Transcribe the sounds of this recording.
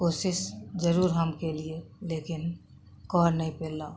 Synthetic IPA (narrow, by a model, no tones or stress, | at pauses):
koːsɪʃd͡ʒəɾuːɾɦɐmkelieleːkɪn | kɔːɾnɐɦĩpeːlaː